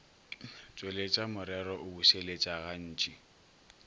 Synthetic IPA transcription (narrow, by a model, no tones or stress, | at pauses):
t͡ʃʼwelet͡ʃʼamʊɾɛɾɔʔʊbuselet͡ʃʼaɣan̩ːt͡ʃʼi